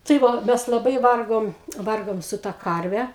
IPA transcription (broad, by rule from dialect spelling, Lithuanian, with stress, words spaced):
tɐɪ ˈʋɐ ˈmʲɛs lˠɐˈbɐɪ ˈʋɐrɡoːm ˈʋɐrɡoːm sʊ tɐ ˈkɐrʲʋʲɛ